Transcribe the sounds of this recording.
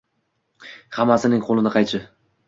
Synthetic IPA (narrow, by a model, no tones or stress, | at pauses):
hamasɪnɪŋqʰolˠɪnɪqʰɑjt͡ʃʰɪ